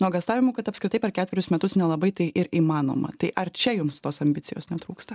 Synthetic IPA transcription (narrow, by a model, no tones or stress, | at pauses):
nuɔɡɐst̪ɑːʋʲɪmuːkɐt̪ɐpskɾʲɪt̪ɐɪpʲɛɾkʲæːtʲʋʲɛɾʲʊsmʲɛt̪ʊsnʲɛlˠɐbɐɪt̪ɐɪʔɪɾiːmɑːno̰ːmɐ̰t̪ɐɪʔɐɾt͡ʃʲɛjʊmst̪oːsɐmʲbʲɪt̪sʲɪjo̰ːsnʲɛt̪ɾuːkst̪ɐ